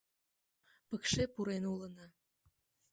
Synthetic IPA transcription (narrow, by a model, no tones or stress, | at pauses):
pə̆kʃepuɾenulə̆nɤ̆